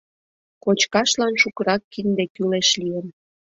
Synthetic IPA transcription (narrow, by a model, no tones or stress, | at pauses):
kot͡ɕkɑʃlɑnʃukəɾɑkːind̪ekyleʃlijən